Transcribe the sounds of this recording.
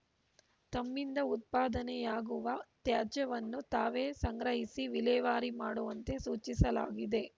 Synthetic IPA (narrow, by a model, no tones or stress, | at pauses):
t̪ɐmːind̪ɐut̪̚paːd̪ɐnɛjaːɡuʋɐt̪jaːd͡ʒɐʋɐnːut̪aːʋeːsɐŋɡɾɐɦisiʋilɛːʋaːɾimaːɽuʋɐnt̪e̞suːt͡ʃisɐla̰ːɡid̪e̞